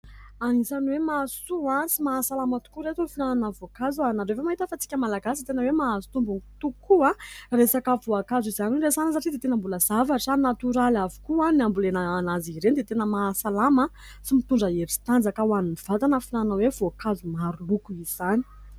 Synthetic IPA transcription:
anizaniwemasuãsimaːsalamət̪u̥kuɾet̪onfinananəvokazuanaɖ͡ʐevamaɦit̪əfat͡si̥kʲəmalaɡasit̪enəwemaːzu̥t̪umbuŋut̪uukuãresakəvoakazizaniweresanəs̬aʈ͡ʂid̪et̪enəmbuləz̥avaʈ͡ʂanat̪uɾalavu̥kuaniambulenaːnaziɾend̪et̪enəmaːsalamə | simit̪uɳɖ͡ʐəeɾisi̥t̪and͡zakawaniniv̥at̪anəfinananawevoakazumaɾulukuiz̥ani̥

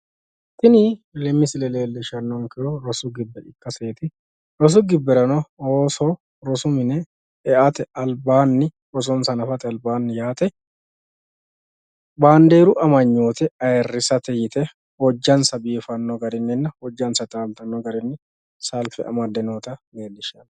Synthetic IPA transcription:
t̪ɪnɪlɛmːɪsɪlɛleːlːɪʃɐnːɔŋkɛɔɾɔsʊɡɪbːɛᶑɪkːɐseːt̪ɪ | ɾɔs̬ʊɡɪbːɛɾɐnɔoːsɔ | ɾɔsʊmɪnɛ | ɛʔɐt̪ɛɐlbaːnːɪ | ɾɔs̬ɔnsɐnɐfɐt̪ɛɐlbaːnːɪjaːt̪ʼɛ | baːnd̪eːɾʊʔɐmɐɲːoːt̪ɛɐjɛrːɪsɐt̪ɛjɪt̪ɛ | wɔd͡ʒːɐnsɐbiːfɐnːɔɡɐɾɪnːɪnːɐhɔd͡ʒːɐnsɐt̪aːmt̪ɐnːɔɡɐɾɪnːɪ | sɐlfɛʔɐ̰mɐd̪ɛnoːt̪ɐle̞ːlːɪʃɐnː

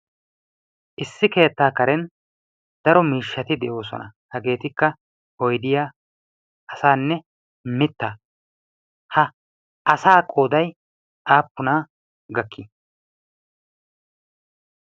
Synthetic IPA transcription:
ʔɪsːɪke̞ːt̪ːaːkɐɾɛn | d̪̥ɐɾɔmiːʃːɐt̪ɪd̪ɛʔo̞ːsɔ̰nɐhɐɡe̞ːt̪ɪkːɐ | ɔjd̪ɪjaː | ʔɐsaːnːɛ | mɪt̪ːaː | hɐ | ʔɐsaːkʼo̞ːd̪ɐj | ʔaːpːʊnaː | ɡɐkʰːi

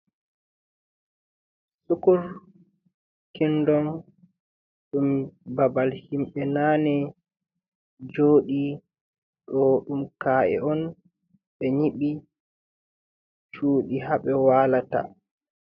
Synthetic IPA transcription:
sukuɾ | kindɔn | ɗumbabalhimɓɛnaːnɛ | d͡ʒoːɗi | ɗɔɗumkaːʔɛ̰ɔn | ɓɛɲiɓi | t͡ʃuːɗiɦaɓɛwaːlata̰

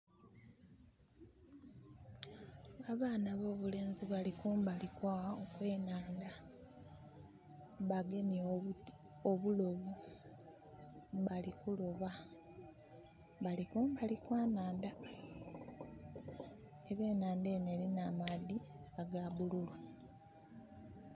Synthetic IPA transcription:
aβaːnaβo̞ːβule̞ːnziβalikuːmbalikwaokwe̞ːnaːnda | βaɡe̞nio | oβulo̞βu | βalikulo̞βa | βalikumbalikwaːnaːnda | eɾe̞ːnaːnde̞ːne̞ɾinamadiaɡaβululo

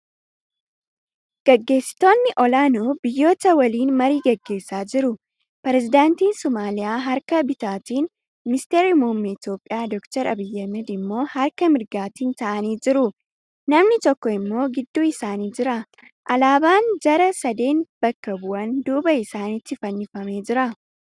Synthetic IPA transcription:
ɡ̥ɐɡːe̞ːsːɪ̥t̪o̞ːnːɪʔɔlaːnoːbɪjːo̞ːt̪ɐwɐliːnmɐɾiːɡɐɡːe̞ːsːaːd͡ʒɪɾʊ | pɛɾɛzɪd̪aːnt̪iːnsɔmaːlɪjaːɦɐɾkɐbɪt̪aːt̪iːn | mɪɪst̪eːɾimuːmːiɪt̪jo̞ːpʼːɪjaːd̪ɔkt̪ɐɾɐbɪjːɐmɛd̪ɪmːo̞ːhɐɾkɐmɪɾɡaːt̪iːnt̪ɐʔɐniːd͡ʒɪɾʊ | nɐmnɪt̪ɔkːɔɪmːo̞ːɡɪd̪ːuːɪsaːniːd͡ʒɪɾɐ | ʔɐlaːbaːnd͡ʒɐɾɐsɐd̪e̞ːnb̥ɐkːɐbʊʔɐnd̪uːbɐɪsaːnɪt̪ːɪfɐnːɪfɐme̞ːd͡ʒɪɾɐ

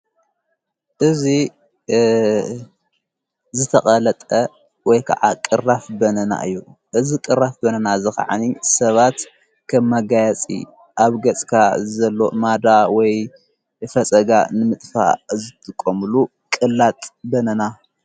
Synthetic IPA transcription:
ʔɨzi | zɨt̪ʰɐχʼɐlɐt̪ʼɐ | wɔjkʰa̰ʕakʼɨrafbɐnɐna̰ʔɨjːuʔɨzikʼɨrːafbɐnɐnazɨxa̰ʕa̰nisɐβat̪ | kʰɐmːɐɡajɐt͡sʼḭ | ʔaβɡɐt͡sʼkʰazɐlːo̞mad̪awɔj | fɐt͡sʼɐɡa̰nɨmɨt̪ʼfa̰zɨt̪ʰɨkʼːomlu | kʼɨlːat̪ʼbɐnɐna

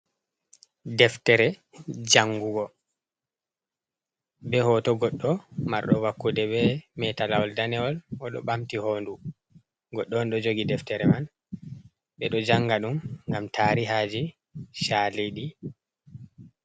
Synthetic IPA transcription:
dɛftɛɾɛ | d͡ʒaŋɡuɡɔ | bɛhɔtɔɡɔɗːɔma̰ɾɗɔwakːudɛbɛmɛtalawɔldanɛɔlɔɗɔ̰ɓamtihoːndu | ɡɔɗːɔnɗɔd͡ʒoɡidɛftɛɾɛman | ɓɛɗɔd͡ʒaŋɡaɗumŋɡamtʰaːɾiɦad͡ʒi | ʃaliɗi

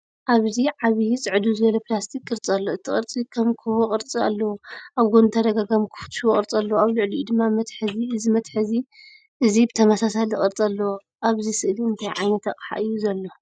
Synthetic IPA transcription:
ʔaβziʕaβijt͡sʼɨʕɨd̪uzɨβɐlɐplast̪ʰikʼːɨɾt͡sʼɐlːoɨt̪ʰːɨχʼɨɾt͡sʼikʰɐmkʰɨβoχʼɨɾt͡sʼia̰lːɐwoʔaβɡont̪ʰad̪ɐɡaɡɐmkʰɨ̥fɨ̥t̪ʰʃokʼɨɾt͡sʼɐlːɐwaβlɨʕlid̪ɨmːamɐt̪ħɨziʔɨzimɐt̪ħɨzi | ʔɨzibɨt̪ʰɐmɐsasalzɨχʼɨɾt͡sʼɐlːɐwo | ʔaβzisɨʔliɨnt̪ʰajʕajnɐt̪aχʼħa̰ʔɨjːuzɐlːo̞

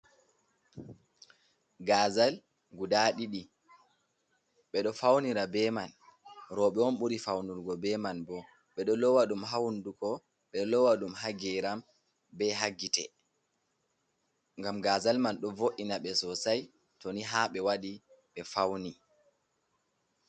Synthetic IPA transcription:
ɡazal | ɡudaɗiɗi | ɓɛɗɔfawniɾabɛmanɾɔɓɛɔnɓuɾifawnuɾɡɔbɛmanbɔ | ɓɛɗɔlɔwaɗumɦawndukɔ | ɓɛlɔwaɗumhaɡɛɾam | bɛɦaɡːitɛ | ŋɡamɡazalmanɗɔvoʔinaɓɛsɔsaj | tɔniɦaɓɛwaɗiɓɛfawni

